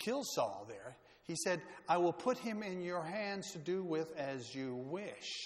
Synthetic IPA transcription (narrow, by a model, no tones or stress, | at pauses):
kʰɪlˠsɔ̰lˠðə˞ | isɛɾaɪwɪlˠpʰʊt̚hɪ̃mɪ̃njə˞ɦæ̃ndz̥tʰɨdɨwɪðɨzjɨwɪʃ